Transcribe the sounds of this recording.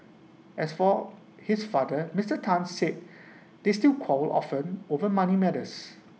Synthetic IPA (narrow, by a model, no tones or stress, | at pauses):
ʔɛsfɔ | hisfadəmistətʰãnsːet̚ | d̥estilkʰɔlɔ̰fə̃novəmãnimɛdəs